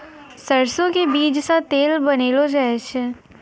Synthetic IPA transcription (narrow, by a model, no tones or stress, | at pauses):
səɾsõkebiːd͡ʒsat̪eːlbɐneːlod͡ʒaːet͡ʃʰe